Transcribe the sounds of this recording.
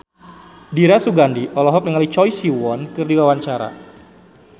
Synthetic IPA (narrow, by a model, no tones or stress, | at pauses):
diɾasuɡandiʔɔlɔɦɔk̚nəŋalit͡ʃɔjsiwɔnkɨrdiwawaɲt͡ʃaɾa̰